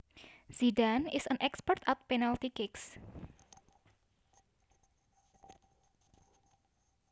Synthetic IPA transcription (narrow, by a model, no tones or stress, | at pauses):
zidanɪsənʔɛkspərt̪at̪̚penalt̪ikɪks